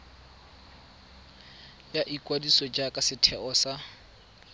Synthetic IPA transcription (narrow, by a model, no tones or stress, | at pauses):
jaʔikʼwadisɔd͡ʒakʼasɪtʰɛʔɔsa